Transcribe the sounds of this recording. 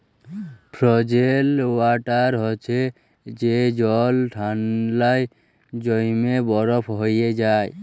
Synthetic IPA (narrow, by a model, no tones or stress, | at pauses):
pʰɾɔd͡ʒelwaʈaɾɦot͡ʃʰe | d͡ʒed͡ʒɔlʈʰanlaj | d͡ʒɔjmebɔɾɔpʰɦojed͡ʒaj